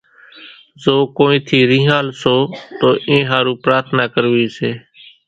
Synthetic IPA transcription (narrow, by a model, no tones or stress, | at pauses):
zoːkoːĩːt̪ʰiːɾĩːɦãːlsoːt̪oːʔẽːɦaːɾuːpɾaːɾt̪ʰnaːkəɾʋiːseː